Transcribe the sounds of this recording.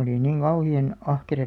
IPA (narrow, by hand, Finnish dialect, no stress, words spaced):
oli niŋ ɡ̊ɑuhiɑn ɑhkerɑ